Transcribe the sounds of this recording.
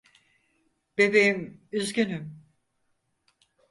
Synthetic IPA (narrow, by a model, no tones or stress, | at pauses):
b̥ebejimyzɡønym